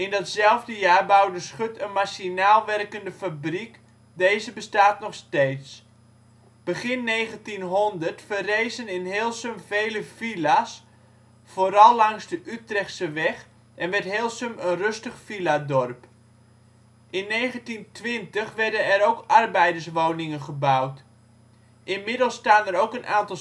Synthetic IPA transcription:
ɪndɔtsɛlˠvdəjaːrbawdəsχøtənmaʃinaːlˠʋɛrkəndəfabrik | dejzəbəstaːtnɔχsteːts | b̥əχɪnːeːɣəntinɦɔndərtfərejzənɪnɦeːlˠsəmvejləfilas | foːɾɑlˠːɑŋzdəʔytrɛxtsəʋɛx | ʔɛnʋɛrtɦeːlˠsəmənrøstəχfiladɔrp | ʔɪnːejχəntintʋɪntəχʋɛrdənɛɾowkɑrbɛjdərsʋownɪŋənχəbawt | ʔɪnmɪdəlˠstaːnəɾowkənʔaːntɑlˠ

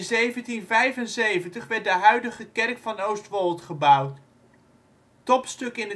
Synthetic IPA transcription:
zejvəntinvɛjvənsejvəntəχʋɛɹt̚dəɦœɥdəχəkɛrkfɑnowstʋɔlˠtχəbʌwt | tɔpstɵkɪnə

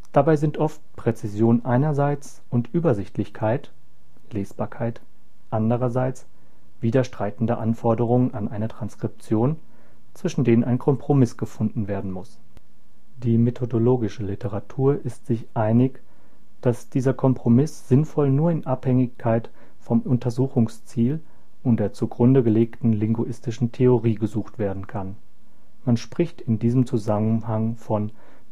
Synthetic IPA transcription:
d̥abaɪzɪntʔɔftpʁ̥ɛt͡sɪzjoːnənʔaɪnɐzaɪt͡s | ʊntʔyːbɐzɪçtlɪçkʰaɪt | leːsb̥aːɐkʰaɪt | ʔandəʁ̞ɐzaɪt͡s | v̥iːdɐʃtʁ̥aɪtn̩dəʔanfɔɐdəʁ̞ʊŋənanʔaɪnətʁ̥anskʁ̥ɪp̚t͡sjoːn | t͡sv̥ɪʃn̩deːnənʔaɪnkʰɔmpʁ̥omɪsɡ̥əfʊndn̩veːɐdn̩mʊs | d̥iːmetʰodoloːɡɪʃəlɪtəʁatʰuːɐʔɪstz̥ɪçʔaɪnɪç | d̥asd̥iːzɐkʰɔmpʁ̥omɪsz̥ɪnfɔlnuːɐɪnʔaphɛŋɪçkʰaɪt | fɔmʊntʰɐzuːxʊŋst͡siːl | ʊntd̥eːɐt͡suɡʁʊndəɡəleːktn̩lɪŋɡuʔɪstɪʃn̩tʰeoʁiːɡəzuːxtv̥eːɐdn̩kʰan | manʃpʁ̥ɪçtɪndiːzəmt͡suzamənɦaŋfɔn

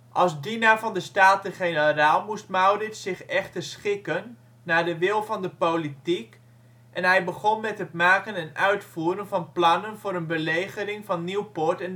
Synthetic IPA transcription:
ʔɑlˠsdinaɹvɑndəstaːtəχenəraːlˠmust̚mawrɪtsɪχɛχtəɹsχɪkənː | aːɹdəʋɪlˠvɑndəpowlitik | ʔɛnɦɛjbəχɔnmɛtɦətmaːkənɛnœɥtfuːɾənvɑnplɑnənvʊːɾənbəlejχəɾɪŋvɑnːiwpʊɹtɛn

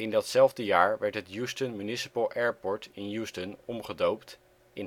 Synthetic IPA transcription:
ɪndɑtsɛlˠvdəjaːɹʋɛɹtɦətjustənmynɪsə̥pəlˠʔɛːɹpɔɹtɪnjustənɔmχədowpt | ɪn

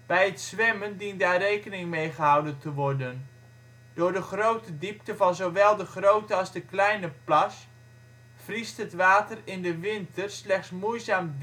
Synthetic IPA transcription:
b̥ɛjɦətsʋɛməndindaːrejkənɪŋmejχəɦɑwdəntəʋɔɹdən | d̥ʊːɹdəχrowtədiptəvɑnzowʋɛlˠdəχrowtəɑlˠzdəklɛjnəplɑs | fristɦətʋaːtərɪndəʋɪntərslɛχtsmujzaːm

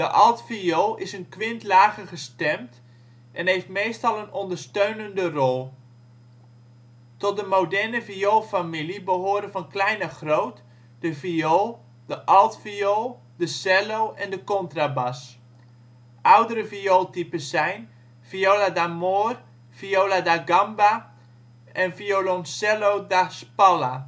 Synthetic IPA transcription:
dəʔɑlˠtfioːɪsənkʋɪntlaːɣəχəstɛmt | ʔɛnɦejftmeːstɑlˠənɔndərstøɥnəndərɔlˠ | tɔt̚dəmowdɛɹnəviolfamilibəɦoːɾəvɑnklɛjnəχrowt | d̥əvioː | d̥əʔɔlˠtfiolˠ | dəsɛlowʔɛndəkɔntrabas | ʔawdəɾəfiolˠtipəsɛjn | fioladamoːr | fiowladaɡamba | ʔɛnfiolonsɛlowdaspɔla

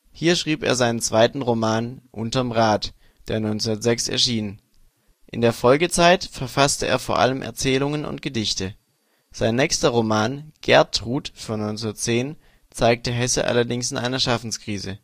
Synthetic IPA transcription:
hiːɐʃʁ̥iːpḛːɐzaɪnənt͡sv̥aɪtn̩ʁomaːnʔʊ̰ntɐmʁaːt | d̥eːɐnɔʏnt͡sʊndɐtz̥ɛksɛ̰ɐʃiːnn | ʔɪndeːɐfɔlɡət͡saɪtfɛɐfastəʔḛːɐfoːɐʔa̰ləmʔɛ̰ɐt͡sɛːlʊŋənʔʊ̰nt̚ɡ̥ədɪçtə | z̥aɪnːɛːçstɐʁomaːnɡ̥ɛɐtʁuːtfyɔnɔʏnt͡sʊndɐtt͡seːn | t͡saɪk̚təɦɛsə̰ʔa̰lɐdɪŋsɪnʔa̰ɪnɐʃafn̩skʁ̥iːzə

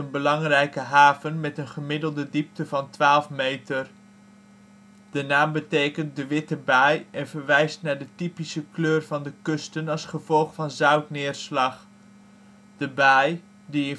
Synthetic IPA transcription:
ənbəlɑŋrɛjkəɦaːvənmɛtənχəmɪdəlˠdədip̚təvɑntʋaːlˠfmejtər | d̥ənaːmbətejkənt̚dəʋɪtəbajɛnvəɹʋɛjstnaːɹdətipisəkløːrvɑndəkɵstənɑlˠsχəv̥ɔlˠχfɑnzœɥtnɪːɹslɑχ | d̥əbaj | diɪn

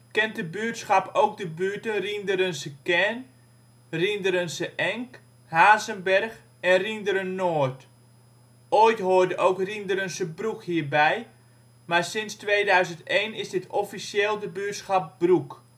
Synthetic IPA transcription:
kɛnt̚dəbyːtsχɑpowk̚dəbytənrindəɾənsəkɛn | rindəɾənsəʔɛŋk | haːzənbɛrx | ɛnrindəɾənːoːɹt | ʔojtɦoːɹdəʔowkrindəɾənsəbrukhiːərbɛj | maɹsɪnstʋeːdœɥzəntejnɪsdɪtʰɔfisjeːlˠdəbyːtsχɑp̚bruk

